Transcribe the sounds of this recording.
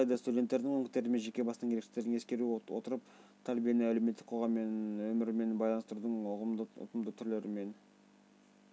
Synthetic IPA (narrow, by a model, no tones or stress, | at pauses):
lˠɑjd̪ɑst̪udʲe̞nt̪ːe̞ɾd̪ɪŋwɵŋkɪst̪e̞ɾɪme̞nʒe̞kʲe̞bɑsəŋeekʃe̥t̪e̞ɾd̪ɪŋe̞skʲe̞ɾuwo̞t̪əɾəpt̪ʰælbije̞nɪæle̞met̪ːɪkqʰo̞ʁɑmːenwɵmɪɾɪme̞nbɑjlɑnəst̪əɾud̪əɴʊʁəʊ̰t̪əmd̪ət̪ʰʏɾle̞ɾɪme̞n